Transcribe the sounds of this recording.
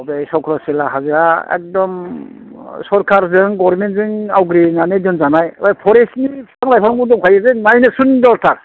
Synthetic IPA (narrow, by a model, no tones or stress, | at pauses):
ɔbejsɔwkʰɾɔsilaɦazɯɾaḛk̚dɔm | sɔɾkʰaɾzɯŋɡɔɾmentzɯŋawɡɾenanedɯnzanajajpʰɔɾesniaŋlajpʰamɡudɔŋkʰajɯzɯnajnɯsundɔɾtʰaɾ